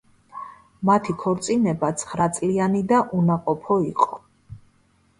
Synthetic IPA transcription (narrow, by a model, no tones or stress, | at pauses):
mat̪ʰikʰɔɾt̪sʼinɛbat̪sʰχɾat̪sʼlianid̪aʔunaqʼɔpʰɔiqʼɔ